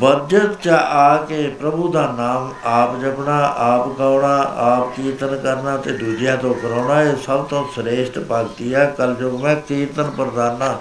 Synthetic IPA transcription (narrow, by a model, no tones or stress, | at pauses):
bəd͡ʒət̪t͡ʃaʔaːkeːpɾəbuːd̪aːnaːm | aːpd͡ʒəbɳaːʔaːpɡaːʊɳaːaːp̚kiːt̪ənkəɾnaːt̪eːd̪uːd͡ʒjãːt̪õːkəɾaːnaːeːsəbt̪õːsɾeːʃʈpəɡt̪iːɛːkəld͡ʒoːkmɛ̃ːkiːt̪ənpəɾəd̪aːnaː